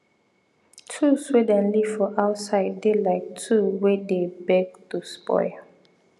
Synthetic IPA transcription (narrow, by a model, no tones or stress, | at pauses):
tʰuswedɛ̃nliv̥fɔʔaʊtsaɪd̚ːelaɪk̚tʰuwedebɛɡ̚tuspɔ̰ɪ